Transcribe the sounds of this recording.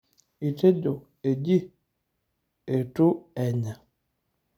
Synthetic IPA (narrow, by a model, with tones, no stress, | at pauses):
i˨te˦d͡ʒo˨ | e˨d͡ʒi˦ | e˨tu˦ɛ˨ɲa˨